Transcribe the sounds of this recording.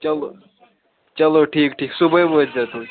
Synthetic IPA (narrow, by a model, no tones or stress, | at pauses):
t͡ʃɐlo | t͡ʃɐloʈʰiːkʈʰiːksubʱəjboət̪d͡zat̪oː